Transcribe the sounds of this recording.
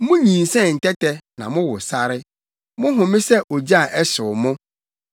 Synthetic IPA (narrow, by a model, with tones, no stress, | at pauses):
mʊ̃˦ɲĩ˨nsɛ̃˦˨n̩˨tɛ˦tʰɛ˦nã˨mʊ̃˦wʊ˨sa˦ɾɪ˦ | mʊ̃˦ɦʊ̃˨mɪ̃˦sɛ˦ʔo˨d͡ʑa˨ʔɛ˦sʊ˨mʊ̃˦